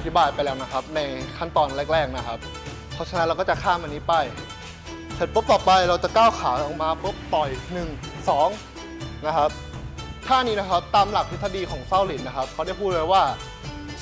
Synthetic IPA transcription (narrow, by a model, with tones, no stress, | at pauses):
a˩t̪ʰi˦˥baː˨˧jpa˧jlɛː˦˥wna˦˥kʰa˦˥p̚na˧jkʰa˥˩nt̪ɔː˧nɾɛː˥˩k̚ɾɛː˥˩k̚na˦˥kʰa˦˥p̚ʰː | ɔ˦˥t͡ɕʰa˧n˧˦nɾa˧wkɔ˥˩t͡ɕa˨˩kʰaː˥˩mʔa˧niː˦˥pa˧˩j | se˨˩t̚pʰo˦˥p̚t̪ɔː˨˩pa˧jɾa˧wt͡ɕa˨˩kaː˥˩wkʰaː˩˦ŋʔɔ˨˩k̚maː˧pɤ˦˥p̚t̪ɔ˨˩jnɯ˨˩ŋ | sɔː˩˦ŋ | na˦˥kʰa˦˥p̚ | t̪ʰaː˥˩niː˦˥na˦˥kʰa˦˥p̚t̪aː˧mla˨˩k̚t̪ʰiː˥˩t̪ʰa˥˩diː˧kʰɔː˩˦ŋsa˥˩wli˨˩˦nːa˦˥kʰa˦˥p̚kʰa˦˥wda˥˩jpʰuː˥˩lɤː˧jwaː˥˩